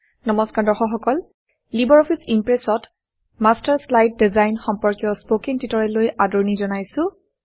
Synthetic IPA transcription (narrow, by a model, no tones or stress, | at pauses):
nɔmɔskaɹdɔxɔxɔkɔl | libɔɹɔpʰisimpɹesɔt | mastaɹslajt̚dizajnxɔmpɔɹkijɔspokiŋtitɔɹɛlojʔadɔɹnizɔnajsʊ̃